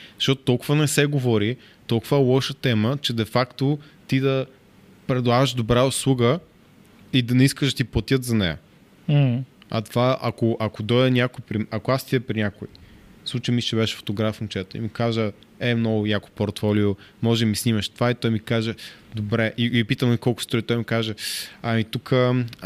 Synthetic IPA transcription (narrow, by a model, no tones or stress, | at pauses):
zzɐʃtɔt̪ʊt̪ɔlˠkʊvənɛsɛɡovɔɾi | t̪ɔlˠkʊvəɛlˠɔʃət̪ɛmət͡ʃɛd̪ɛfakt̪ot̪id̪ɐ | pɾɛd̪lˠavəʃd̪obɾaʊslˠuɡə | id̪ɐnɛiskəʒd̪ɐt̪iplˠɐt̪ʲjət̪zɐnɛjə̰ | m̩ɐ̰t̪vaʔɐkoʔɐkod̪ɔjd̪ənʲakʊipɾiɐkoast̪id̪ɛpɾinʲakʊifslˠut͡ʃəjmit͡ʃɛbɛʃɛ̥fo̥t̪oɡɾafnt͡ʃɛɛt̪oḭmikaʒə | ɛmnɔɡʊjako̥poɾt̪fɔliomɔʒɛmisnimɐʃt̪ovait̪ɔjmikaʒɛd̪obɾɛʔipit̪əmikɔlˠkʊ̥st̪ɔit̪ɔjmikaʒɛɐmit̪ukə